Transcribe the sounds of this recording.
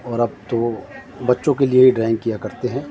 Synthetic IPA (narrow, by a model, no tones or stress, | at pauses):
ɔːɾɐb̚t̪o | bɐtːʃõkeliebiɖɾaːɪ̃ŋɡ̚kijakɐɾt̪eɦɛ̃ː